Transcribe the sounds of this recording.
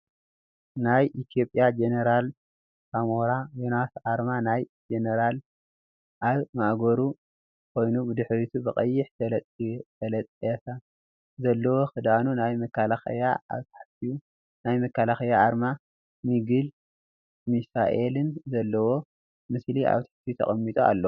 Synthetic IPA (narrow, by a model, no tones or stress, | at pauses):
najʔit̪ʰjo̞pʼjad͡ʒeneɾal | kʰamoɾajunasʕaɾmanajd͡ʒeneɾal | ʔaβmaʔɡoɾu | kʰo̞jnubɨd̪ɨħɾit̪ʰubɨkʼɐjːɪħt̪ʰɐt̪ʼt̪ʰɐlɐt̪ʼet̪ʰa | zɐlːɐwo̞xɨd̪anunajmɐkːalaxɐ̰jaʔa̰βt̪ʰɐ̥ħt̪iju | najmɐkːalaxɐjaʔaɾma | miɡɨl | misaʔelɨnzɐlːɐwo̞ | mɨsliʔa̰βt̪ʰḁħt̪ijut̪ʰɐ̰χʼɐmːit̪ʼua̰lːɐ